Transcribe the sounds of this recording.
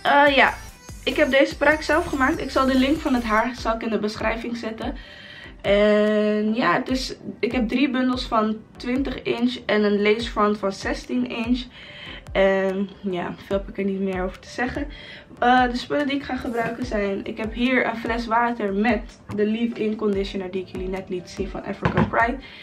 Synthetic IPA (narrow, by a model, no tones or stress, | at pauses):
ʔəja̰ | ɪkɦɛp̚dejzəpraːksɛlˠfχəmaːk̚tɪksɑlˠdəlɪŋkfɑnɦətɦaːɹsɑlˠɪkɪndəbəsχrɛjfɪŋzɪtən | ʔɛnjaːətɪsɪkɦɛb̚dribɵndəlˠsfɑntʋɪntəχɪnt͡ʃɛnənlejsfrɔntfɑnzɛstinɪns | ʔɛnja̰ːfɪlˠpəkəɹnitmɪːɹowvəɹtə̥z̥ɛχən | ədəspɵlədiɪkχaːχəbrœɥkəzɛjnɪ̰kɦɛpɦiːɹənflɛsʋaːtəɹmɛt | dəlifɪnkɔndɪʃənəɹdiɪkjəlinɛtlitsinfɑ̰nʔɛ̰fɹəkəpɹajt